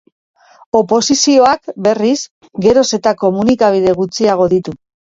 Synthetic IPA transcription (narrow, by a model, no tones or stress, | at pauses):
o̞po̞sisio̞akbe̞ris | ɡe̞ɾo̞se̞t̪ako̞munikaβ̞ið̞e̞ɣut͡siaɣ̞o̞ðit̪u